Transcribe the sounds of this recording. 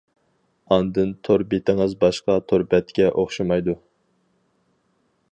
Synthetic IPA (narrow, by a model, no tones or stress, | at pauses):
ɑnd̪ɨnt̪ʰoɾbet̪ʰɪŋɨzbɑʃqɑt̪ʰoɾbɛt̪kʲɛʔoχʃɑmɑjd̪u